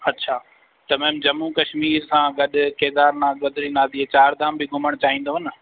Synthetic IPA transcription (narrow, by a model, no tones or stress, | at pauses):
ɐtːɕʰaː | t̪ɐmɛ̃ːmd͡ʑɐmːukɐʃmiːɾsãɡɐɗʊ̆keːd̪aːɾnãːɡɐd̪ɪɾinaːd̪iːet͡ɕaːɾd̪ãːmbɪɡʱʊməɽ̃t͡ɕaːɦĩːn̆d̪oːɦɐnə